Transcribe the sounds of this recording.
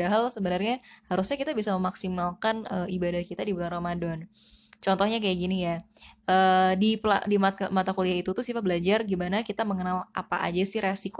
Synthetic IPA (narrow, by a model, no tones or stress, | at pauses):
aɦalsəbənərɲahaɾusɲakit̪abisaməmaksimalkanəibadahkit̪adibulaŋromadɔn | t͡ʃɔnt̪ɔhɲakajaʔɡinija | əːdipla̰dimamat̪akuliait̪ut̪ʊsifabəlad͡ʒarɡimanakit̪aməŋənalʔa̰paʔa̰d͡ʒasɪhɾesiko